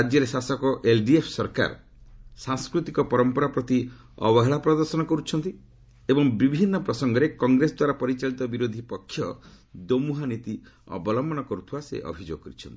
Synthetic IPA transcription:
ad͡ʒjɔɾesasɔkɔʔelɖiepʰsɔɾka̰ɾɔ | sãŋskɾut̪ikɔpɔɾɔmpɔɾapɾɔt̪i | ɔ̰bɔɦɛɭapɾɔd̪ɔɾsɔnɔkɔɾut͡ʃʰɔnt̪i | ebɔŋbibʱinːɔpɾɔsɔŋɡɔɾekɔŋɡɾesɔd̪waɾapɔɾit͡ʃaɭit̪ɔbiɾod̪ʱipɔkʰːjɔ | d̪omuɦanit̪iɔ̰bɔlɔmbɔnɔkɔɾut̪ʰibasḛʔɔ̰bʱid͡ʒo̰ɡɔkɔɾit͡ʃʰɔnt̪i̥

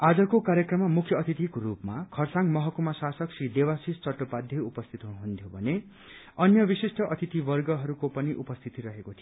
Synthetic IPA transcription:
ad͡zʌkokaɾjʌkrʌmːamukʰjʌːt̪ʰit̪ikoɾupmakʰʌrsaŋmʌɦʌkumasasʌksrid̪ewasist͡sʌʈopad̪ʱjʌupʌst̪ʰit̪ɦuɽuɦunt̪ʰjobʱʌne | ʌnjʌbisisʈʌʔʌt̪ʰit̪ibʌrɡʌɦʌɾukopʌniʔupʌst̪ʰit̪iɾʌɦekot̪ʰijo

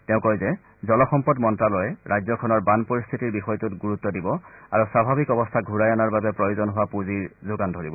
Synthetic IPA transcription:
tɛʊ̃kɔjzɛ | zɔlɔxɔmpɔdmɔntɹalɔjɛɹʔajzɔkʰɔnɔɹbanpɔɹist̪ʰitiɹbixɔjtutɡuɹut̪ːɔdibɔa̰ɹusɹabʱabikɔbɔstʰaɡʱuɹajanaɹbabɛpɹɔjozɔnɦowapuziɹzoɡandʱɔɹibɔ

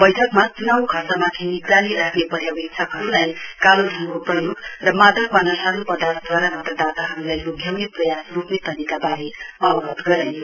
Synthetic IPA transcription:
bʌjʈʰʌkmat͡sunawkʰʌrsamat̪ʰinikraliɾakʰnepʌɾjabikt͡sʰʌkɦʌɾulajkalodʱʌŋkoprʌjoɡrʌmad̪ʱʌkbʌnʌsɦʌɾupʌd̪art̪ʰd̪waɾamʌt̪rʌd̪at̪aɦʌɾulajjoɡʱjʌwnit̪̚prʌjasrupnet̪ʌnikabaɾiʌwɡʌt̪ɡʌɾa

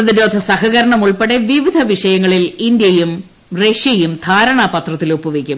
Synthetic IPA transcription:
ɐðiɾo̞ːd̪ʱɐsɐɦɐɣɐɾɐɳɐmuɭpeɽeʋiʋid̪ʱɐʋiʂɐjɐŋːɐɭilind̪jɐjum | reʂjɐjumd̪ʱaːɾɐɳaːpɐt̪rɐt̪ːilopːuʋekʲːum

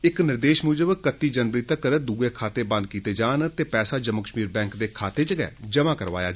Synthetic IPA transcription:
ɪknɪɾd̪eːʃmuːd͡ʒəbkət̪ːiːd͡ʒənbɾiːt̪əkəɾd̪uːɡeːkʰaːt̪eːbə̃nd̪̚kiːt̪eːd͡ʒaːnt̪eːpɛːsaːd͡ʒəmːəkəʃmiːɾbɛ̃ːŋkd̪eːkʰaːt̪eːd͡ʒəɡɛ̰ːd͡ʒəmãːkəɾʋa̰ːjaː

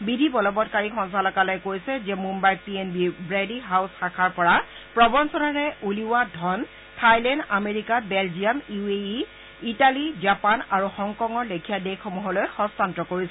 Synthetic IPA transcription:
bidʱibɔlɔbɔtkaɹikʰɔnsalɔkalɔjkojsɛzɛmumbajpienbibɹediɦawsxakʰaɹpɔɹa | pɹɔbɔnsɔnaɹɛʔuliwadʱɔn | tʰajlɛndameɹikabɛld͡ʒiamjuei | italizapanaɹuxɔŋkɔŋɔɹlekʰijadekʰːɔmuɦɔlojxɔstantɔkoɹisɛ

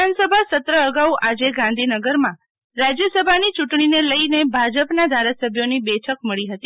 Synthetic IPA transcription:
ansəbʱasət̪ɾəːɡauʔad͡ʒeɡãnd̪ʱinəɡəɾmã | ɾad͡ʒjəsəbʱanit͡ʃuʈɳ̃ineləinebʱad͡ʒəpnad̪ʱaɾasəbʱjonibɛʈʰək̚məɭiɦət̪i

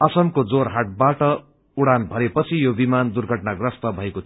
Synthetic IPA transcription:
ʌsʌmkod͡zorɦaʈ̚baʈʌ | uɽanbʱʌɾepʌt͡sʰijobimand̪urɡʱʌʈnaɡrʌst̪ʌbʱʌekot̪ʰ

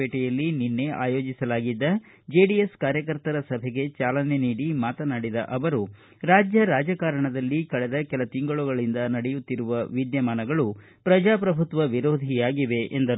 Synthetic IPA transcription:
eːʈɛjɐlːininːe̞ʔa̰ːjo̞ːd͡ʒisɐlaːɡid̪ːɐ | d͡ʒe̞ːɖijeskaːɾjɐkɐɾt̪ɐɾɐsɐbʱɛɡe̞t͡ʃaːlɐne̞niːɽimaːt̪ɐnaːɽid̪ɐ̰ʔɐʋɐɾu | ɾaːd͡ʒjɐɾaːd͡ʒɐkaːɾɐɳɐd̪ɐlːikɐɭɛd̪ɐkɛlɐt̪iŋɡɐɭuɡɐɭind̪ɐnɐɽɛjut̪ːiɾuʋɐʋid̪jɐmaːnɐɡɐɭu | pɾɐd͡ʒaːpɾɐbʱut̪ʋɐʋiɾo̞ːd̪ʱijaːɡiʋe̞ʔend̪ɐɾ

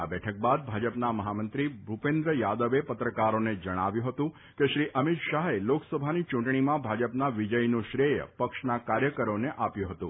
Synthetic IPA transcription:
a̰bɛʈʰək̚bad̪̚bʱad͡ʒəpnaməɦamənt̪ɾibʱupẽnd̪ɾəjad̪əʋepət̪ɾəkaɾoned͡ʒəɽ̃aʋjũɦət̪ũ | keʃɾiʔəmit̪ʃaɦeloksəbʱanit͡ʃũɳʈɳimãbʱad͡ʒəpnaʋid͡ʒəjnũʃɾejə̰pəkʃnakaɾjəkəɾoneʔapjũɦət̪ũ

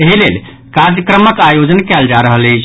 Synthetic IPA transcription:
eɦilel | kad̪əkɾəməkajod͡ʒənkɛld͡ʒaɾəɦəlet͡ʃʰ

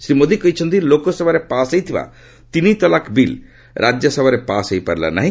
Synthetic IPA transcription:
sɾimod̪ikɔjt͡ʃʰɔnt̪ilokɔsɔbaɾepasəjt̪ʰiba̰ | t̪init̪ɔlakbil | ɾʔad͡ʒjəsɔbaɾepasəjpa̰ɾla̰na̰ɦĩ

